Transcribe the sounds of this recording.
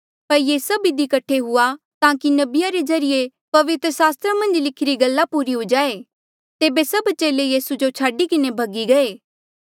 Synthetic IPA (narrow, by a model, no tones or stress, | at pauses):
pɐɾjeːsɐbid̪ikɐʈʰeɦʊa | t̪ãːkinɐbɪjaɾezɐɾɪje | pɐʋɪt̪ɾəsaːst̪ɾamɐ̃nd͡ʒlɪkʰɪɾiɡɐlːapuːɾiɦod͡ʒaːeː | t̪eːbesɐbt͡ʃeːlejiːsud͡ʒot͡ʃʰaːɖikɪnebʱɐɡiɡɐeː